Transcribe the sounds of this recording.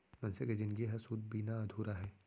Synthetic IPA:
mɐnseked͡ʒɪnɡiɦɐsuːd̪̚biːnaɐd̪ʱuːɾaɦɛː

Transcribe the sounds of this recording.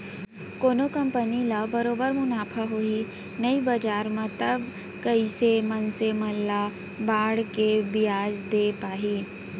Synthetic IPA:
koːnokɐ̃mpənilɐbɐɾoːbəɾmʊnaːpʰəɦoi | nɐibɐd͡ʒaːɾmɐ̃t̪ɐb | kɐisemɐnsemɐlːa | baːɽkebɪjaːd͡ʒd̪eːpaːɦiː

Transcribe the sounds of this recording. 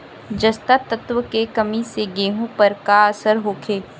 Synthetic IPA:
d͡ʒɐst̪at̪ət̪wəkekɐmiseɡeːɦõpɐɾkaɐsəɾɦoːkʰeː

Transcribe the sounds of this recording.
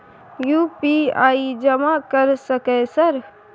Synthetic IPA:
juːpiaːid͡ʒəmakəɾsəkɛsəɾ

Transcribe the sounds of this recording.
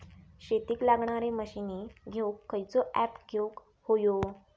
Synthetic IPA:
ɕet̪iːklaɡɳaɾeməɕineɡʱewkːəjt͡sɔʔæpɡʱewk | hojo

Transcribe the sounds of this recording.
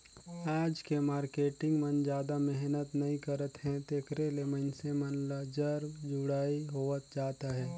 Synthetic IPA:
aːd͡ʒkemaːɾkeːʈɪ̃ŋɡmənd͡ʒjaːd̪amɛɦnət̪nɐĩkəɾət̪ɦɛ̃t̪eːkɾeleməɪnsemənləd͡ʒəɾd͡ʒʊɽaːiɦoːʋət̪̚d͡ʒaːt̪aɦɛː

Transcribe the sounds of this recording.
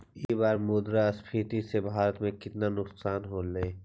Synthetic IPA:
eːbaːɾmʊːd̪ɾaəspʰiːt̪isebʱaːɾət̪mẽkɪt̪nanʊqsaːnɦoːleː

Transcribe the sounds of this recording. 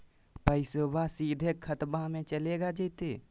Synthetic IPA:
pəɪsobasid̪ʱekʰːət̪bamẽt͡ʃəleɡad͡ʒəɪt̪e

